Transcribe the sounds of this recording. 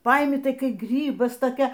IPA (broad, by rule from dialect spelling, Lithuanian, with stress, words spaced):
ˈpɐɪmʲɪ ˈtɐɪ ˈkɐɪ ˈɡrʲiːbɐs toːˈkʲɛ